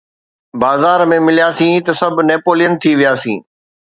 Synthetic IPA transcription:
baːzaːɾmẽmɪlijaːsĩːt̪ɐsɐbʱneːpoːlijənt̪ʰiʋijaːsĩː

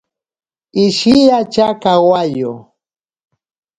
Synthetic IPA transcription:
ɪʃijat͡ʃakawajʊ

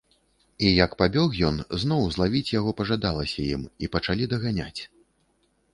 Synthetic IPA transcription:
ijɐkpabʲɔxjɔnznɔwzlˠavʲit͡sʲjaɣɔpɐʐad̪alˠɐsʲɐjimipɐt͡ʂalʲid̪ɐɣanʲa̰t͡sʲ

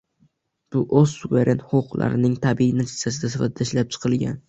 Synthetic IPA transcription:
b̥ʊʔɵzsuveɾʔe̞nhoʊqla̰ɾɪnɪŋt̪ʰabiinat͡ʃ̪ʰɪ̥sasɪd̪asɪfa̰t̪̚ʰd̪aɪʃlap̚t͡ʃʰɨ̥qʰɨlˠɡʲa̰n

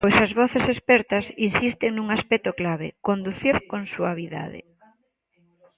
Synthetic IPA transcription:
pojsɐzβɔθesespɛɾt̪ɐsinsist̪eŋnuŋaspɛk̚t̪oklaβḛkond̪uθiɾkõnsuaβiða̰ðɪ̰

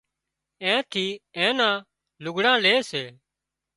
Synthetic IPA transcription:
ẽːt̪ʰiːẽːnãː | lʊɡʱɽãːleːseː

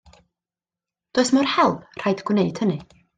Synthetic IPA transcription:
d̥oːɨsmʊrhɛlˠpr̥ajdɡwneɨd̥hənɨ

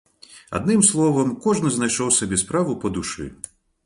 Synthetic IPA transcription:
a̰d̪nɨmslˠɔvɐmkɔʐnɨznajʂɔwsabʲɛspɾavupɐd̪uʂɨ̰

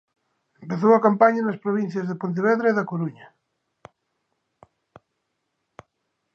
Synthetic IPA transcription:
empeθowakampaɲanɐspɾoβ̞inθjazðepont̪̬eβ̞ɛðɾeiðakoɾuɲa

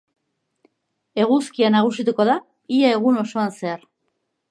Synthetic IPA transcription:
e̞ɣuskianaɣ̞usit̪uko̞ða | iae̞ɣuno̞so̞anse̞aɾ

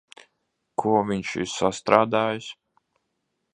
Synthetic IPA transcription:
kʰuɔvʲiɲʃḭɾsast̪ɾaːd̪aːjs

